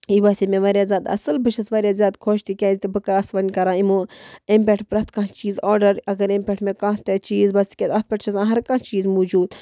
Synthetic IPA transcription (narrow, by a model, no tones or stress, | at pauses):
iʋaːsʲimẽʋaːɾjaːzʲaːd̪ɐ̰sɨlbɨt͡ʃʰɐsʋaːɾjaːzʲjaːd̪kʰoːʃt̪ikʲãːzit̪ibɨkaɐsʋɐnʲkɐɾãːimũːẽmpʲeʈʰpɾɐt̪kãːt͡ʃiːzoːɾɖɐɾɐɡɐɾempʲeʈʰmẽkãːt̪et͡ʃiːzbɐsi̥kʲet̪ɐt̪̚pʲɐʈt͡ʃʰɐzãːɦɐɾkãːt͡ʃiːzmuːd͡ʒuːd̪